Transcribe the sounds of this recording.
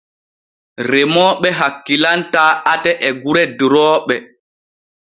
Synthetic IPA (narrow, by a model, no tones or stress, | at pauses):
ɾemɔːɓɛɦakːilantaːatɛʔɛɡuɾɛdɾɔːɓɛ